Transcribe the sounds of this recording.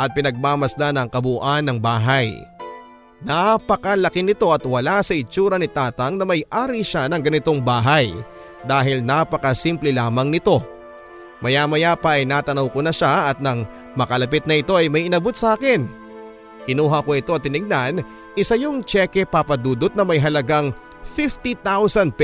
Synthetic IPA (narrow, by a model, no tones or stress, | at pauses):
ʔɐt̪̚pɪnɐɡ̚maːmɐsd̪anɐŋkɐbuʔanːɐŋbaːɦɐj | napɐkɐlɐkɪnɪt̪o̞ʔɐt̪wɐlasɐɪt͡ʃuːɾɐnɪt̪aːt̪ɐŋnɐmɐjʔaːɾiʃanɐŋɡɐnɪt̪o̞ŋbaːɦaj | d̪aːɦɪlnapɐkɐsimplɛlaːmɐŋnɪt̪o̞ | mɐjamɐjapɐʔːjnaːt̪ɐnɐwko̞nɐʃaʔɐt̪̚nɐŋ | mɐkɐlɐp̬ɪt̪̚nɐʔɪt̪o̞ɐjmɐjʔɪnɐbot̪̚sɐʔaːkɪn | kɪnuːɦɐko̞ɪt̪o̞ɐt̪ːɪnɪɡ̚nan | ʔɪsɐjoŋt͡ʃɛkɛpɐpɐd̪uːd̪ot̪̚nɐmɐjɦɐlɐɡaŋ | fift̪it̪awsɐnd̪̚p